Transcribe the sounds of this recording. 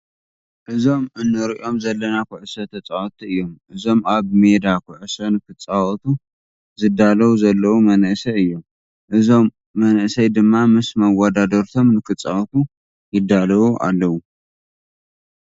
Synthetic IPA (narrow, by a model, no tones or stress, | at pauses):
ʔɨzo̞mʔɨnːɨɾiʔo̞mzɐlːɐnakʰʊʕɨsɐt̪ʰɐt͡sʼawɔt̪ʰiɨjːo̞mʔɨzo̞maβme̞d̪akʰʊʕɨsɐnɨkʰɨt͡sʼːawɔt̪ʰu | zɨd̪alɐwuzɐlːɐwumɐnʔɨsɐɨjːo̞m | ʔɨzo̞mː | ɐnʔɨsɐjd̪ɨmːamɨsmɐwad̪ad̪ɐɾt̪ʰo̞mnɨkɨt͡sʼːawɔt̪ʰu | jɪd̪ːalɐwuʔa̰lːɐwu